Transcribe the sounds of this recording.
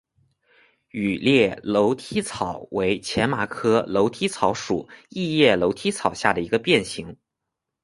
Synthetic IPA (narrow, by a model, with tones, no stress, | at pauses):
y˨˩ljɛ˥˩lo˧˥ʊt̪ʰi˥t͡sʰɑ˨˩ʊwe˧˥ɪt͡ɕʰjɛ˧˥nma˨˩kʰɤ˥lo˧˥ʊt̪ʰi˥t͡sʰɑ˧˥ʊʂu˨˩˦i˥˧jɛ˥˩lo˧˥ʊt̪ʰi˥t͡sʰɑ˨˩ʊɕja˥˩d̪ə˩i˧˥ɡə˧pjɛ˥˩nɕi˧˥ŋ